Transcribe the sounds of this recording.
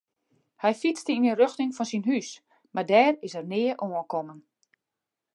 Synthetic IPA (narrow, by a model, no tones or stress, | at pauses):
hɛjfit͡stəinərøxtɪŋfɔnsinɦys | mardɛːrɪsərnɪːəʔoəkɔmən